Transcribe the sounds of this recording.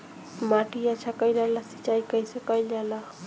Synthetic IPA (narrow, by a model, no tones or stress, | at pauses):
maːʈiat͡ʃʰakəilalasi̥t͡ʃaːikəisekəjlala